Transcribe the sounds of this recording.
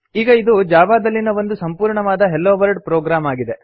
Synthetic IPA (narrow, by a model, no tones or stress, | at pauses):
iːɡɐid̪ud͡ʒaːʋaːd̪ɐlːinɐʋo̞nd̪usɐmpuːɾɳɐʋaːd̪ɐɦelːoːʋɐɾɖpɾoːɡɾaːmaːɡid̪e̞